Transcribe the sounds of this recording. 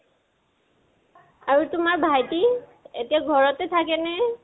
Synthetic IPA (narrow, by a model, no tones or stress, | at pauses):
aɹutʊmaɹbʱajtietijaɡʱɔɹɔtɛtʰakɛnɛ